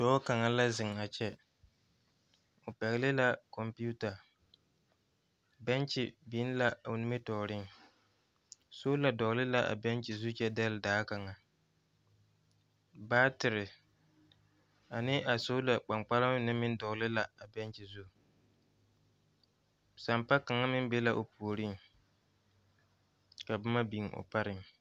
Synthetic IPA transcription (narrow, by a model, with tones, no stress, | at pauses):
sɔː˨˦ka˨ŋa˨la˦zɪ˨ŋ˨a˨t͡ʃɛ˦ | ʊ˨pɛ˨ɣɪ˦lɪ˦la˦kɔ˨mpi˦u˦ta˨ | bɛ˦nt͡ʃɪ˨biː˨˦n˦la˦ʊ˨nɪ˦me˦tɔː˨ɾɪ˦ŋ | so˦la˨dɔ˨ɣlɪ˦la˨ʔa̰˨bɛ˦nt͡ʃɪ˨zu˦t͡ʃɛ˦dɛ˦lɪ˨daː˨˦ka˨ŋa˨ | baː˦tɪ˨ɾɪ˨ | a˨nɪ˦ʔa˨so˦la˨k͡pa˨ŋk͡pa˦la˦m˦nɪ˦mɪ˦n˦dɔ˨lɪ˦la˨a˨bɛ˦nt͡ʃɪ˨zu˦ | sa˨mpa˦ka˨ŋa˦mɪ˦n˦be˦la˨ʔo˨pu˨o˨ɾi˦ŋ | ka˨bʊ˦ma˦bi˨ŋo̰˨pa˦ɾɪ˨ŋ